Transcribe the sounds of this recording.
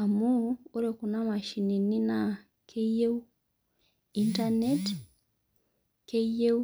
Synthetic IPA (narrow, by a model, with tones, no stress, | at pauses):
a˨mu˦o˦ɾe˨ku˨na˦ma˨ʃi˨ni˨ni˦na˨ | kʰe˦je˦u˦ | i˦nta˦ne˦t | ke˦je˦u